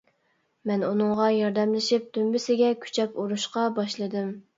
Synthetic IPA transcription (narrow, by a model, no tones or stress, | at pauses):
mɛnunɨŋʁɑjɑɾd̪ɛmlɪʃip̚d̪ymbɪsɪɡʲɛkʲʰy̥t͡ʃʰɛkuɾuʃqɑbɑʃlˠɨd̪ɨm